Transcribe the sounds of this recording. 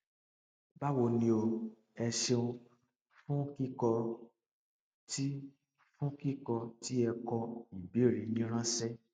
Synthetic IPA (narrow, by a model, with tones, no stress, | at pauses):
ba˦wo˧nĩ˧o˧ | ɛ˧ʃe˧ũ˧ | fũ˦ki˦kɔ˧ | ti˦ | fũ˦ki˦kɔ˧ti˦ɛ˧kɔ˧i˨bi˨˦e˦˨ɾi˨˦nĩ˦ɾ̃ã˦sɛ˦